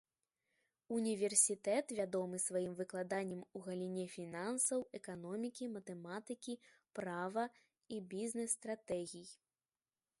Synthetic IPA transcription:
unʲivʲɛrsʲit̪ɛt̪vʲad̪ɔmɨsvajimvɨklˠad̪anʲːɐmuɣɐlʲinʲɛfʲinansɐwɛkan̪ɔmʲikʲimɐt̪ɛmat̪ɨkʲi | pɾavɐ | ibʲiznɛsːt̪ɾat̪ɛɣʲij

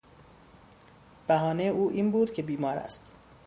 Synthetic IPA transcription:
b̥æɦɒːnejuːʔiːnbuːd̪̥cʰe̞biːmɒːɾæ̰st̪

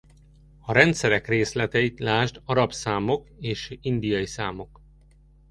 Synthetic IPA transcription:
ɒɾɛnt̪sɛɾɛkreːslɛt̪ɛjit̪laːʒd̪ɒɾɒpsaːmo̞keːʃind̪ijɒjisaːmo̞k

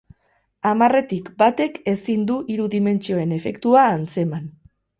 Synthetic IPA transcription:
amare̞t̪ikbat̪e̞ke̞sind̪uʔiɾuðime̞nt͡ʃio̞e̞ne̞fe̞kt̪uaːnt͡se̞man

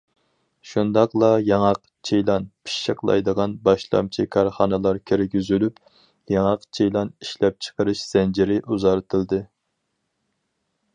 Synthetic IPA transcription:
ʃund̪ɑqlˠɑjɑŋɑq | t͡ʃʰejlˠɑnpʰi̥ʃːəqlˠɑ̰jd̪əʁɑnbɑʃlˠɑ̰mt͡ʃʰikʰɑɾχɑnɨlˠɑɾkʲʰeɾk̚ʲyzylyp | jɑŋɑqt͡ʃʰejlˠɑniʃlɛp̚t͡ʃʰə̥qəɾɨʃz̥ɛnd͡ʒiɾɪʔuzɑɾt̪ʰɨlˠd̪ɨ

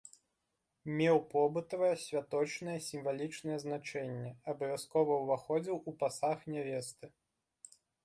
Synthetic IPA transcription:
mʲɛwpɔbɨt̪ɐvɐjɐsʲvʲat̪ɔt͡ʂnɐjɛsʲimvalʲit͡ʂnɐjɛznat͡ʂɛnʲːɛɐbɐvʲaskɔvɐwvaxɔd͡zʲiwupasaxnʲɛvʲɛst̪ɨ

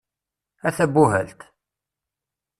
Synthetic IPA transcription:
æθæbːuɦælt̪

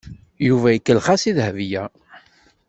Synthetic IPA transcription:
juvæjəkːəlχasiðhəvjæ

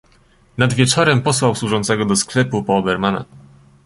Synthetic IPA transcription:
nad̪vʲjɛt͡ʂɔɾɛmpɔswawswuʐɔnt̪sɛɡɔd̪ɔsklɛpupɔːbɛɾmana̰

